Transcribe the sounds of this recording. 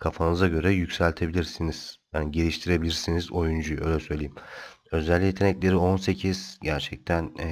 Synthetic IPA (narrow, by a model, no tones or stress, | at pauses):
kʰafanɯɯzaɟø̞ɾɛjycsælʲt̪ʰe̞bilʲiɾsiniz̥janiɟe̞lʲiʃt̪ʰiɾe̞bilʲiɾsinizo̞jund͡ʒujøjlʲɛsø̞jlʲeimø̞zælʲːijet̪ʰenɛclʲe̞ɾio̞nse̞cʰiz̥ɟæɾt͡ʃʰɛc̚t̪ʰæn